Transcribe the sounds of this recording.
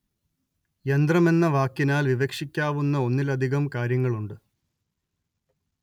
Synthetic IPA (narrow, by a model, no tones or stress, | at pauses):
je̞nd̪rɐme̞nːɐʋaːkːinaːlʋiʋɐkʂikʲːaːʋunːɐo̞nːilɐd̪ʱiɣɐmkaːɾjɐŋːɐɭuɳɖɨ